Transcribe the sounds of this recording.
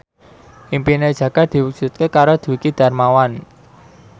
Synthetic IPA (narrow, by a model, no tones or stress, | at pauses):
ʔimpined̥ʒ̥ä̤ɡ̥a̤d̪̥i̤wuk̚ʒ̥ut̪̚kekaɾod̪̥ṳikid̪̥a̤rmawan